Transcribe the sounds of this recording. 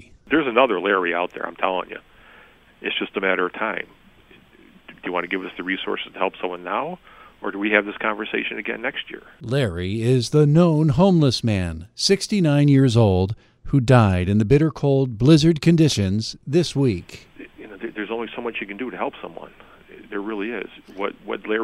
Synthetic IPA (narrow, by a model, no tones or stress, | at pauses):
ðə˞zɨnʌðə˞lɛɹiaʊt̪̚ðə̰˞ã̰ɪ̃mtʰɛlˠɪ̰̃ŋjɨ̰ | ʔɨtsd̥ʒ̥ʌstɨmæɾə˞ʌv̥tʰãɪ̃m | d̥ɨjɨwɑ̃ntɨɡɪvʌsðɨɹisɔ̰ɹsɨz̥tʰəhɛlˠpsʌ̃mwʌ̃nːaʊ | ə˞dɨwiɨvðɪskʰɑ̃ɱvə˞seɪʃɨ̃nɨɡɛ̰̃nːɛkst̚jɪ̰ɹ | lɛɹiɪzðənõʊ̃nɦõʊ̃mləsmæ̃nsɪkstinãɪ̃njɪɹzoʊlˠd̥̚ | hudaɪɾɨ̃nðɨbɪɾə˞kʰoʊlˠd̚blɪzə˞d̚kʰɨ̃ndɪʃɨ̃nz̥ðɪswik | jɨnoʊðə˞ðə˞zõʊ̃nlisõmʌt͡ʃɨkɨ̃n̩dɨɾɨhɛlˠpsʌ̰̃mwʌ̰̃n | ðə˞ɹɪlˠiɪ̰z̥wʌ̰t̚wʌ̰tˡlɛ